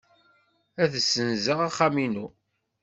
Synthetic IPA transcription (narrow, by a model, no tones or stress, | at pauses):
æθəsːənzəʁaχːaminu